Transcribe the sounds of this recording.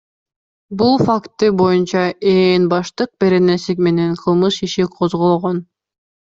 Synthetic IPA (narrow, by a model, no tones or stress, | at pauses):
bulˠfakt̪ːɯbo̞junt͡ʃɑeːnbɑʃt̪ɯq̚be̞ɾenesikme̞neŋqʰɯlˠmɯʃiʃiqʰozʁolˠʁon